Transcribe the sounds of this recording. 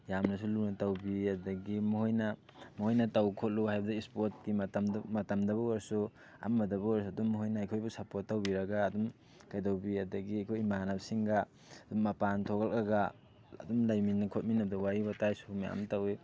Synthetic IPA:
jamnɐsulunɐtawbiadɐɡimuɦojnɐ | muhojnɐtawkʰot̚luhajbɐdaispot̚kimmɐtɐmdɐβɐwaɾsu | a̰mːɐdɐbɐwaɾs̬uɐdumːuɦojnaːjkʰojbusɐpot̚ːawbiɾɐɡaːdum | kajdawbiadɐɡiajkʰojmanabsiŋɡa | ɐdumːɐpantʰoɡalɐɡa | ɐ̰dumlajminɐkʰot̚minːɐb̚dɐwaibɐtajsumaja̰mtawe

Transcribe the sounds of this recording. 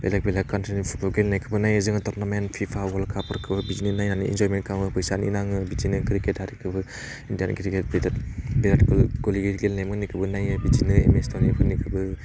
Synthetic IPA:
bḛlak̚belakːantɾinipʰu̥t̚bɔlɡelnajkʰɯbɯnajɯzɯŋɯtɔɾnamenpʰipʰawɔlkʰapɔɾkʰɯbɯbizininajnanḭḭnzɔjmenkʰawŋɯpɯjsanḭnaŋɯbid͡ʒinɯkɾikethaɾikʰɯbɯ | indiankɾiket̚bidatbeɾatikalɡoliɡiɾɡelnajmɯnikʰɯbɯnajɯbid͡ʒinɯḛmestonibɯnikʰɯbɯ

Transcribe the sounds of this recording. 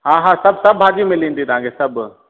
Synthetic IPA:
ɦãːɦãsɐb̚sɐbːaːd͡ʒimẽliːnd̪it̪ɦãːkesɐb

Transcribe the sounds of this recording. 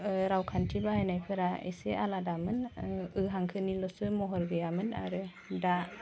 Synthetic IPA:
ɾawkʰantʰibaenajpʰəɾaḛsealadamɯnɯɦaŋkʰənilɔsəmɔɦɔɾɡəjamɯna̰ɾə | da

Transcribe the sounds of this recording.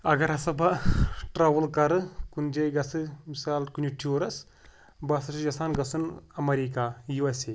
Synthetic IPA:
ɐɡɐɾɐsɐbɐʈɾaːʋɐlkɐɾɨkund͡ʒɐjɡɐsɨmisaːlkunʲiʈʰuːɾɐs | bɐsɐsud͡ʒɐsaːnɡɐsɨnɐmɐɾikaːjuɐse

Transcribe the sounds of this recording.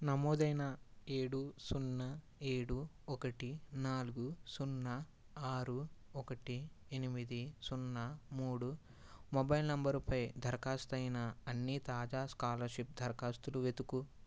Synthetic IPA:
nɐmɔːd̪ɐjnɐe̞ːɽusunːɐ | e̞ːɽu | ɔkɐʈinaːluɡusunːɐ | aːɾuɔkɐʈienimid̪isunːɐmuːɽu | mɔbɐjlnɐmbɐɾupɐjd̪ʱɐɾkaːst̪ɐjnɐɐnːit̪aːd͡ʒaːskaːlɐɾʃip̚d̪ʱɐɾkaːst̪uluʋet̪uku

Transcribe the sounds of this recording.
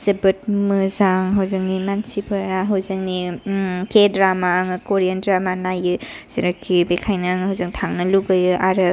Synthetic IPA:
zɐbɯt̚mɯzaŋɦawzɯŋnimansipʰɯɾaɦɐwzɐŋnikedɾamaːŋɯkoɾiandɾamanajɯ | z̥iɾakʰːibekʰajnaŋɦawzɯŋtʰaŋnɐluɡɯjɯʔaɾɯ

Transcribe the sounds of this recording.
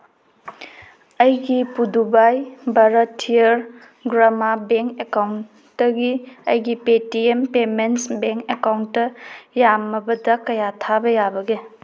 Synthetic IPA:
ɐjɡipudubajbɐɾɐtʰːiɐɾ | ɡɾamabeŋkekawn | tɐɡiɐjɡipetiempemensbeŋkekawntːɐjamɐbɐdɐkɐjatʰabɐjabɐɡe

